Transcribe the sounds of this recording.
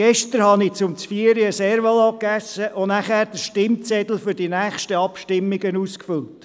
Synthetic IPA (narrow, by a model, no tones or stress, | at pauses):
ɡ̥ɛʃtəɾhɑnɪt͡sʊmt͡sfiːəɾiəsɛːɾʋəlɑkæsːəʔʊnæχæːɾd̥əʃtɪmt͡sɛd̥̪l̩ˠfʏɾdinæːχʃtəɑpʃtɪmːɪɡənuːskfʏlt